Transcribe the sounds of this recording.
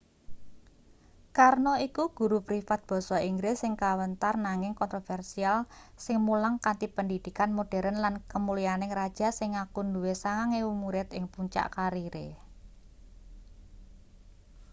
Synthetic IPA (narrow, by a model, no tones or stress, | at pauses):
karnɔikuɡ̥ṳɾupɾifat̪̚b̥ɔ̤sɔiŋɡɾɪsɪŋkawənt̪arnaŋɪŋkɔnt̪ɾofɛrsialsɪŋmulaŋkant̪ipəndid̪̥i̤kanmoɖ̥ɛ̤ɾənlankəmulijanɪŋɾad̥ʒ̥a̤sɪŋakunduwesaŋaŋewumuɾɪt̪ɪŋpuɲt͡ʃa̰ʔkaɾiɾe